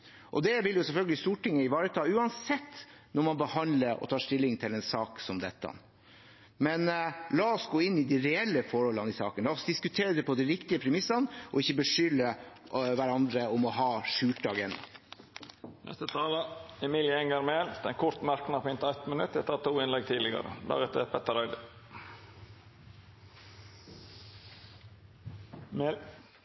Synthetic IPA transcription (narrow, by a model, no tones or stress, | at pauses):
ʔɔ̰d̪ɛʋɪljʊsɛlfœlɡəlɪst̪uːʈɪŋːəɪʋɑːɾət̪ʰɑːʉːɑnsɛt̪ː | nɔɾmɑnbəhɑnd̪ləɾɔ̰t̪ʰɑːʂt̪ɪlːɪŋt̪ʰɪlɛnsɑːksɔmd̪ɛt̪ːɑ̰n | mɛnlɑːɔsɡoːɪnːɪd̪iɾɛɛlːəfɔɾhɔlːɑnɪsɑ̰ːkənlɑːɔsd̪ɪskʉt̪ʰeːɾəd̪ɛpʰɔd̪ɛɾɪkt̪ɪəpʰɾɛmɪsːɑnʔɔ̰ɪçːəbəʂʏlːəʋæɾɑnd̪ɾəɔmɔɦɑːʂʉːʈɑɡɛn | nɛ̰st̪ət̪ʰɑːləɛmiːljəɛŋəɾmeːld̪̥ɛnkʰʊɾt̪mɑɾknɑɾpʰɔʏnt̪əæt̪mənʉt̪ːɛt̪ːət̪ʰuːɪnlɛɡ̚t̪ʰiːd̪lɪɡɑ̰ɾə̰d̪æ̰ːɾɛt̪ːəpʰɛt̪ːəɾɑɪd̪ə | m